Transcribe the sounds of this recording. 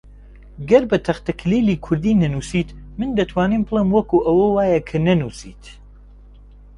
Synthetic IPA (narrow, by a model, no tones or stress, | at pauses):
ɡɐɾbɐt̪ʰɐχt̪ɐkʰliːlikʰʊɾd̪iːnɐnuːsiːt̪mɨnd̪ɐt̪ʰwaːniːmbɨlˠemwɐkuʔɐwɐwaːjɐkʰɐnɐnuːsḭːt̪